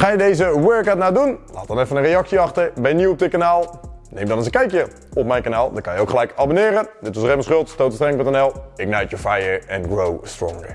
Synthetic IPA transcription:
χaːjədejzəwøɹkɛtnadunla̰ːt̚dɑnɛfənənrejɑksiɑχtəɹbɛjniɔp̚dɪt̚kanaːlˠnejmdɔnɑnsəkɛjkjə | ɔp̚mɛjnkanaːlˠdɔkɑnjəowkχəlɛjkabonɪːɾəndɪtʋɑsrejməsχɵlˠtstowtəstrɛŋpøntɛnɛlˠɪk̚najtjɔɹfajəɹɛnɡrowstrɔ̰ŋɡə̰ɹ

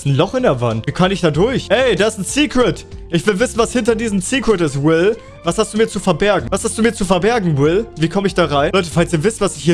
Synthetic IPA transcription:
sn̩lɔχɪndeːɐvantviːkʰanɪçd̥aːdʊɐçʔɛɪdaːɪstn̩siːkʁ̥ɪtʔɪçv̥ɪlvɪsn̩vashɪntɐdiːzəmsiːkʁ̥ɪtɪstwɪl | vashastd̥uːmiɐt͡sufɛɐbɛɐɡŋ̩vashastd̥uːmiːɐt͡sufɛɐbɛɐɡŋ̩wɪlviːkʰɔməɪçd̥aːʁaɪnlɔʏt̬əfalsiːɐvɪstv̥asɪçhiː

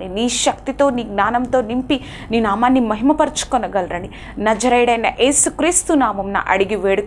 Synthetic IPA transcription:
iniːʃɐkt̪it̪oːniːɡnaːnɐmt̪oːnimpi | niːnaːmaːnːimːɐɦimɐpɐɾt͡ʃu̥konɐɡɐlɾɐɳi | nɐd͡ʒɐɾɐjɽeːnːɐʔeːsukɾiːst̪unaːmɐmnɐ̰ʔɐ̰ɽiɡiʋeːɽk

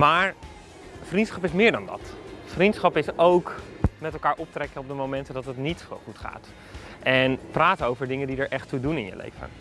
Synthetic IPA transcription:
maːɹ | frintsχɑpɪsmɪːɹdɑndɑ̰tfrintsχɑpɪsowkmɛtɛlˠkaːɹʔɔp̚trɛkəɔp̚dəmowmɛntədɑtətnitɔ̰lχutχa̰ːt | ʔɛnpraːtəowvəɹdɪŋəndidəɹʔɛχtudunɪnjə̰lḛjvə̰

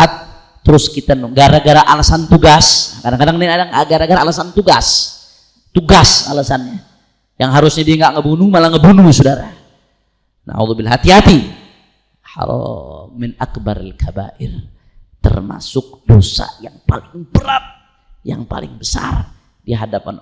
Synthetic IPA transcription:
at̪̚ː | əɾʊskit̪anɡaɾaɡaɾaʔalasant̪uɡaskadaŋkadaŋniadaŋaɡaɾaɡaɾaalasant̪uɡa̰s | t̪uɡasa̰lasanɲa | jaŋɦaɾʊsɲadiaŋɡaʔŋəbunumalaŋəbunusodaɾa | na̰ṵðubɪlɦat̪iɦat̪i | ha̰ɾɔ̰ːɪnakbaɾalkʰaba̰ʔɪr | t̪ə̰rma̰sʊk̚dosa̰jaŋpalɪŋbəɾat̪̚ | ja̰ŋpa̰lɪ̰ŋbəsa̰r | diɦadapan

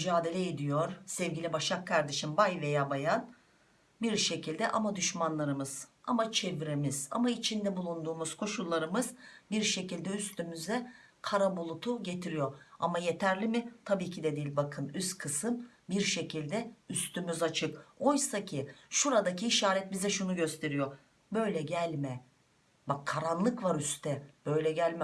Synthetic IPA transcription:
myd͡ʒaːd̪e̞lʲɛed̪ijo̞ɾ̥sɛvɟilʲibaʃakʰːaɾd̪eʃimbajve̞jaːbajan | biɾʃe̞cʰilʲd̪ɛʔa̰mad̪yʃmanlˠaɾɯmɯz̥amat͡ʃʰevɾemiza̰mait͡ʃʰind̪ɛbulˠund̪uːmuz̥kʰo̞ʃulˠːaɾɯmɯz̥biɾʃe̞cilʲd̪ɛyst̪ʰymyzɛ | kʰaɾabulˠut̪ʰuɟe̞t̪ʰiɾijo̞ɾamaje̞t̪ʰæɾlʲimɪt̪ʰabiːcʰid̪ɛd̪ilʲbakʰɯnyst̪kʰɯsɯm | biɾʃe̞cilʲd̪ɛyst̪ʰymyzat͡ʃʰɯko̞jsacʰiʃuɾad̪aciːʃaːɾɛt̪̚bizɛʃunuɟø̞st̪ʰe̞ɾijo̞ | bø̞jlʲɛɟælʲmɛ | bakʰːaɾanlˠɯkvaɾyst̪ʰɛb̥ø̞jlʲɛɟælʲmɛ

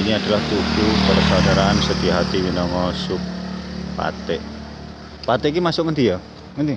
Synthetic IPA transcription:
iniad̪̥a̤laht̪ukupəɾəsad̪aɾaansət̪iaɦat̪iwinɔŋɔsʊk̚pa̰t̪ɪʔ | pat̪ɪʔkimasʊʔŋənd̪ija | ŋənt̪i

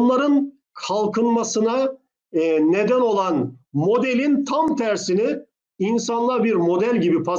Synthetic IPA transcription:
nlˠaɾɯn | kʰalˠkʰɯnmasɯna | ne̞d̪æno̞lˠanmo̞d̪elʲint̪ʰamt̪ʰæɾsini | insanlˠabiɾmo̞d̪ælʲɟibipʰa

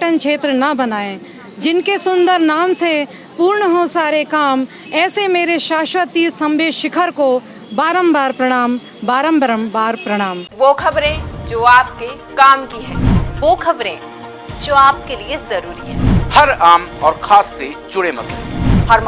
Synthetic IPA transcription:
ʈənkʃʰeːt̪ɾənɐbɐnaːẽ | d͡ʒɪnkesʊ̃nd̪əɾnaːmse | puːɾɳəɦõsaːɾekaːm | ɛːsemeːɾeʃaːʃʋət̪isɐ̃mbeːʃɪkʰəɾko | baːɾəmbaːɾpɾɐɽ̃aːm | baːɾə̃mbəɾəmbaːɾpɾɐɽ̃aːmʋoːkʰɐbɾẽd͡ʒoːaːp̚ke | kaːmkiɦɛ̃ːʋoːkʰɐbɾḛ̃ː | d͡ʒoːaːp̚keliezɐɾuːɾiɦɛ̃ːhɐɾaːmɔːɾkʰaːsːet͡ʃʊɽemɐ̰t̪lḛ̃ɦɐɾm

